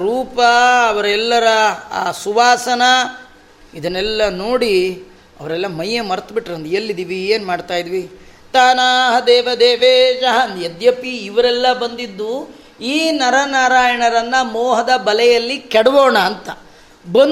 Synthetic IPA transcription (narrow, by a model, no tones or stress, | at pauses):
ɾuːpɐːʋɐɾɛlːɐɾɐːsuʋaːsɐnɐ | id̪ɐnːɛlːɐnoːɽi | ɐ̰ʋɐɾɛlːɐmɐjːemɐɾt̪biʈɾeɐnd̪elːid̪iʋieːnmaːɖt̪aːjid̪iʋi | t̪aːnaːɦɐd̪eːʋɐd̪eːʋeːd͡ʒɐɦɐnd̪jed̪jɐpiːʋɐɾɛlːɐbɐnd̪id̪ːu | iːnɐɾɐnaːɾaːjɐɳɐɾɐnːɐmɔːɦɐd̪ɐbɐlɛjɐlːikɛɽʋoːɳɐːnt̪ɐ | bɐn